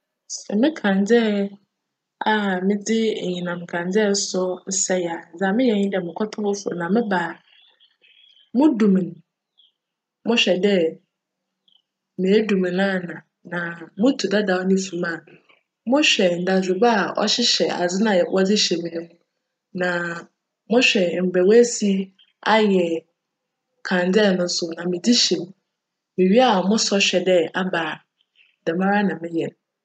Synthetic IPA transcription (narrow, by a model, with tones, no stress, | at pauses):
sɛ̰˨mɪ̃˦kʰã˨nd͡zɛ˦ | a˨mɪ̃˦d͡zɪ˦˨ɲĩ˨nã˨m˨kʰã˨nd͡zɛ˦sɔ˦sɛ˦ja˨d͡za˨mɪ̃˦jɛ˨ɲɪ̃˦dɛ˨mɪ̃˨kʰɔ˦tʰʊ˦ʊ˦fʊ˨nã˨mɪ̃˦baː˨ | mʊ̃˦dũ˨m̃˨n˨ | mʊ̃˦ɕᶣɛ˨dɛ˦ | mɪ̃˨ɛ˦du˨mɪ̃˨nã˦˨nã˨ | nã˨mʊ̃˦tʰu˨da˦da˨wɔ˦nʊ̃˦fũ˨mã˨ | mʊ̃˦ɕᶣɛ˨n̩˨da˨d͡zʊ˨ba˦˨ɔ̰˦ɕɪ˦ɕɛ˨a̰˨d͡zɪ˦nã˨ɛ˨wʔɔ˦d͡zɪ˦ɕɛ˨mɪ̃˨˦mũ˦ | nã˨ | mʊ̃˦ɕᶣɛ˨m̩˨bɛ˨wɛ˦si˦ | a˦jɛ˨ | kʰã˨n˨dɛ˦˨nʊ̃˦sʊ˨nã˨mɪ̃˨di˦ɕi˨m˨ | mɪ̃˨ɥi˦a˦˨mʊ̃˦sɔ˦ɕᶣɛ˨dɛ˦a˦baː˨ | dɛ˨mã˦ɾa˦nã˨mɪ̃˦jɛ˨ñ˨